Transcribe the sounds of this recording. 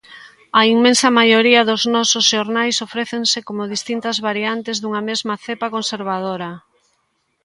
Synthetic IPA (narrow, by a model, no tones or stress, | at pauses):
ɐiŋmẽnsɐmajoɾiɐðoznɔsʊzʃoɾnajsofɾeθeŋsekomʊðist̪int̪ɐzβaɾiant̪ezðuŋɐmezmɐθepakonseɾβ̞aðoɾɐ